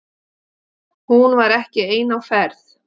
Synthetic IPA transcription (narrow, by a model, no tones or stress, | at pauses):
hunvaɾɛhcɪeːjnawfɛɾθ